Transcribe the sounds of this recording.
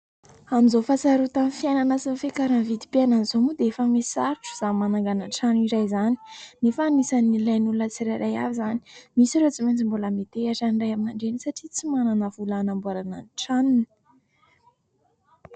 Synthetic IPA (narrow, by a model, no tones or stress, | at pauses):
amizofasaɾut̪anfijajnanasinfekaɾanvid̪i̥piananizomud̪eefəmesaɾʈ͡ʂu̥z̥amanaŋɡananʈ͡ʂaniɾajzani̥nefaːnisanilajnulunət͡siɾajɾaja̰vizani̥misiɾet͡siment͡simboləmet̪eaʈ͡ʂanɖ͡ʐajaminaɳɖ͡ʐenisaʈ͡ʂit͡simananəvulanambuaɾana̰nʈ͡ʂanini̥